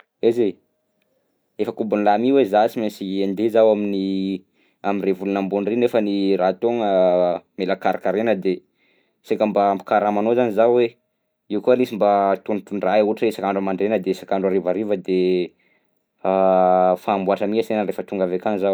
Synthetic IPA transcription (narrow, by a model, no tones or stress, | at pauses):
eze | efəkubunlamiwezasimesiand̪ezawamini | aminrevulunambunrinefənirat̪oŋəmelakaɾakaɾenəd̪e | sekəmbaːmpi̥kaɾamanozanizawwe | iukuanisimbat̪unt̪uɳɖ͡ʐauaʈ͡ʂesakaɳɖ͡ʐuamaɳɖ͡ʐenəd̪esakaɳɖ͡ʐaɾevaɾivəd̪e | afaːmbuaʈ͡ʂəmiasenərefət̪uŋɡavekaŋzaw